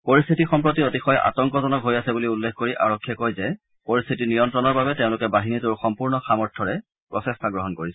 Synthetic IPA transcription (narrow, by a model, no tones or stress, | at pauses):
poɹist̪ʰitixɔmpɹotiotixɔjʔa̰tɔŋkɔzɔnɔkɦojasɛbuliulːekʰkoɹiʔa̰ɹɔkʰːiɛkojzɛ | poɹist̪ʰitinijɔntɹɔnɔɹbabɛteʊ̃lʊkɛbaɦinitʊɹxɔmpuɹnɔxamɔɹtʰːɔɹɛ | pɹɔsɛstʰaɡɹɔɦɔnkoɹisɛ